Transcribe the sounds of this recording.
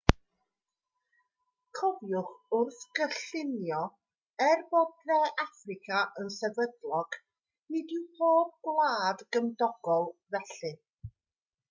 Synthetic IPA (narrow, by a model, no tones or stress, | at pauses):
kʰɔvjʊχʊrθɡ̥əɬɪnjɔ | ɛrboːdnɛʔafrɪkʰaʔənsɛvədlˠɔɡ̥ | nɪdɪwpʰoːb̚ɡlˠaːdɡəmdɔɡ̥ɔlˠvɛɬɨ